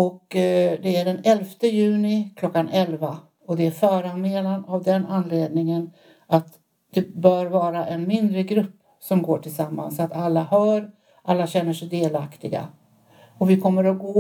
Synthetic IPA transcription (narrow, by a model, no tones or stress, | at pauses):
ɔkd̪ɛæɖɛnɛlft̪əjʉ̟ːnɪkʰlɔkːanɛlva | ɔd̪ɛæɾfœːɾanmeːlanavd̪ɛnanːleːd̪nɪŋən | at̪ | d̪̥ɛbœːɾvɑːɾaʔɛnmɪnd̪ɾəɡɾɵpː | sɔmɡoːʈʰɪlsamːa̰nsat̪alːahœːɾ | ʔalːaɕɛnːəʂɛjd̪eːlakt̪ɪɡa̰ | ɔvɪkʰɔmːəɾɔɡoː